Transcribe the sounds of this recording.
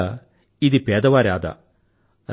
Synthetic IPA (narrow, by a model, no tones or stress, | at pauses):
id̪ipeːd̪ɐʋaːɾaːd̪ɐ̰